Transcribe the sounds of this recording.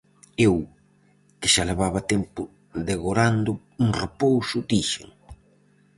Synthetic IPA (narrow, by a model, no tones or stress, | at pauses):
ew | kɪʃaleβaβɐt̪ɛmpʊ | ðeɣoɾand̪ʊ | uŋrepowsʊd̪iʃḛŋ